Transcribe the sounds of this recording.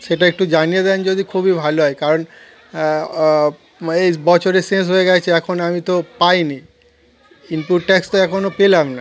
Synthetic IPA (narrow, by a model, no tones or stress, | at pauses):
ʃeʈaek̚ʈud͡ʑanijed̪ɛnd͡ʑod̪ikʰubibʱaloɦɔekaɾon | ejbɔt͡ɕʰoɾesens̬ɦoeɡɛt͡ɕʰeɛkʰonamit̪opajni | inpuʈʈɛkst̪oɛkʰonopelamna